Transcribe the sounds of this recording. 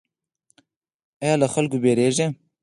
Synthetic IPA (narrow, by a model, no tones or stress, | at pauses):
ajɑːlaxalkobeɾeʒe